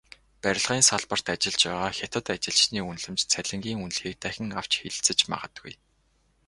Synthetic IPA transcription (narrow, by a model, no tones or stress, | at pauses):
pæɾʲɪ̆ɮʁiːnsaɮpə̆r̥t̪at͡ɕɪ̆ɮt͡ɕpæːʁaːxʲat̪ə̆t̪at͡ɕɪ̆ɮt͡ɕniːunɮɘ̆mt͡ɕt͡sʰæɮʲɪ̆ŋɡʲiːŋunɮxiːk̚t̪æxʲɪ̆ŋaw̥t͡ɕxeɮt͡sɘ̆t͡ɕma̰ʁə̆t̪ɡṵj